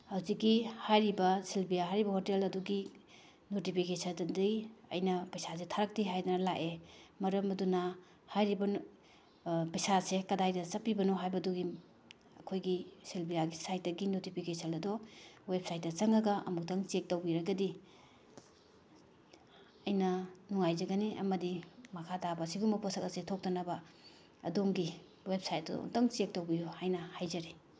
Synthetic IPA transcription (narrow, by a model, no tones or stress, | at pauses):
hɐwzikːihajɾibɐsilbijaɦajɾibɐhotelɐduɡi | notipʰikesɐndɐndijɐ̰jnɐpɐjsasetʰaɾɐk̚tiɦajdɐnɐlaʔemɐɾɐmɐdunɐ | hajɾibɐ | pɐjsasekɐdajdɐt͡ʃɐpːibɐnoɦajbɐduɡi | ɐkʰojɡiselbijaɡisajt̚dɐɡinotipʰikesɐnɐdɔwep̚sajt̚dɐt͡ʃɐŋɐɡɐʔɐ̰muk̚tɐŋt͡ʃek̚tɐwbiɾɐɡɐdi | ɐjnɐnuŋajzɐɡɐniʔɐ̰mɐdimɐkʰatabɐsiɡumɐpʰosʰɐk̚ɐsetʰok̚tɐnɐbɐ | ɐ̰doŋɡi | wep̚sajt̚ːo̰ŋtɐŋt͡ʃek̚tɐwbijohajnɐhajzɐɾe